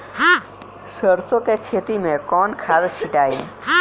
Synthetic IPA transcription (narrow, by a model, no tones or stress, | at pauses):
səɾsokekʰet̪imẽkɔnkʰad̪t͡ʃʰiʈaːi